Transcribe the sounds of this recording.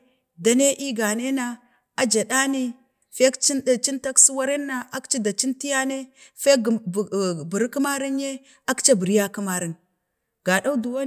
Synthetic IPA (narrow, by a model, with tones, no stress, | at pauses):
da˨ne˦ʔi˦ɡa˨ne˦na˦ | a˦d͡ʒa˨ɗa˦ni˦ | fe˦kt͡ʃi˦˨t͡ʃi˦nta˦ksu˦wa˦ɾe˦nːa˦a˦kt͡ʃi˦da˨t͡ʃi˦nti˦ja˦ne˦fe˦ɡbu˨ɾki˦ma˦ɾi˦nje˦ | a˦kt͡ʃa˦bu˨ɾi˦ja˦ku˦ma˦ɾi˨n | ɡ̥a˨ɗa˦u˦du˨wa˦